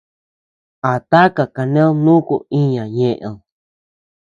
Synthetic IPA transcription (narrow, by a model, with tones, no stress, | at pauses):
a˨t̪a˦ka˨ka˧nẽ˦õ˦˧nũ˦kṵ˧ĩ˦ɲã˨ɲẽ˧˨ʔẽ˧õ˧